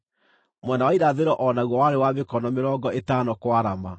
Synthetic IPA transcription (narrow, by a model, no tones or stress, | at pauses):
mwɛnawaiɾaðeɾɔʔɔnaɣwɔwaɾewamekɔnɔmeɾɔɡɔetanɔkwaɾama